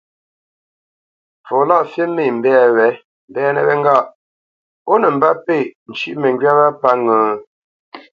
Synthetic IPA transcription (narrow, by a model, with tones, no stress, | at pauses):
fo˨la˦˨fje˦me˦˨m̩˨bɛː˦wɛ˨˦ | m̩˨bɛː˦˨nə̰˨wɛ˦ŋ˦ɡa˦˨ʔ | o˦nə˨m̩˨ba˦pe˦˨n̩˨t͡ʃi˦ʔmə˨ŋɡɥa˦βa˦pa˦ŋəː˨